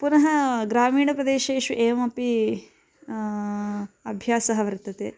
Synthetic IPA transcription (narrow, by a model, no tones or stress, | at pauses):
punɐɦɐɡɾaːmiːɳɐpɾɐd̪eːʃeːʃuʔeːʋɐpi | ɐbʱjaːsɐɦɐʋɐɾt̪ːɐt̪ḛː